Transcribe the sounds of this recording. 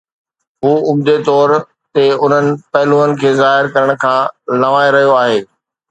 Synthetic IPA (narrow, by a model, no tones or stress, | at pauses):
ɦuːʊmd̪et̪ɔːɾ | t̪eʊn̤ənɪ̆pɐɦɪluːənɪ̆kʰeːzaːɦɪɾkɐɾəɽ̃̆kʰãːlɐʋãːeɾɐɦijoaːɦeː